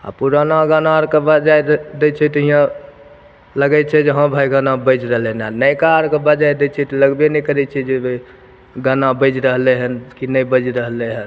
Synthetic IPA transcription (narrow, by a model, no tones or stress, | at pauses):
a̰puɾanaɡanaɾkebəd͡ʒajd̪et͡ʃʰɛt̪ɔɦijã | ləɡɛt͡ʃʰɛd͡ʒeɦə̃bʱajɡanabəd͡ʒɾəɦleɦnanəjkaɾkebəd͡ʒajd̪et͡ʃʰɛt̪ɔləɡbenɛkəɾɛt͡ʃʰɛd͡ʒeb | ɡanabəd͡ʒɾəɦleɦənkinəjbəd͡ʒɾəɦleɦən